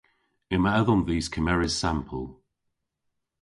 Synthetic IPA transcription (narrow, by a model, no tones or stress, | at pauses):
ɪməəðɔnðiːskʰəmɛɹɪz̥sampʰə̰lˠ